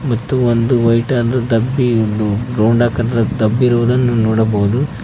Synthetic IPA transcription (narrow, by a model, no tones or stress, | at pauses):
mɐt̪ːuond̪uʋɐjʈaːd̪ɐd̪ɐbːiond̪uɾoːɳɖaːkɐdɐɾɐd̪ɐbːiɾuʋud̪ɐnːunɔːɽɐbɐɦud̪u